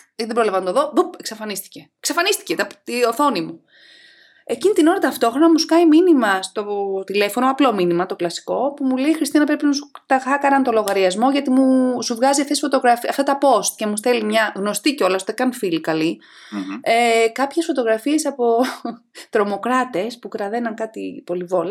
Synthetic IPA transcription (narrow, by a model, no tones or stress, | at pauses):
ðebɾolɐvɐnt̪oðo̞bupeksɐfɐnist̪i̥ce̞e̥ksɐfɐnist̪i̥cet̪ɐpt̪ioθo̞nimu | e̞cinit̪ino̞ɾɐt̪ɐft̪o̞xɾo̞nɐmuskɐjminimɐst̪o̞t̪ile̞fo̞noɐplo̞minimɐt̪o̞klɐsi̥ko̞pumule̞ixɾist̪inɐpɾepinɐsut̪ɐxɐkɐɾɐnt̪o̞lo̞ɣɐɾiɐzmo̞ʝɐt̪imusuvɣɐziɐft̪esfo̞t̪o̞ɣɾɐfɐ̰ft̪ɐt̪ɐpo̞st̪̚ce̞must̪e̞limɲɐɣno̞st̪iceo̞lɐsot̪ekɐnfilikɐli | ekɐpçe̞sfo̞t̪o̞ɣɾɐfie̞sɐpo̞ | t̪ɾo̞mo̞kɾɐt̪e̞spukɾɐðe̞nɐŋkɐt̪ipo̞livo̞lɐ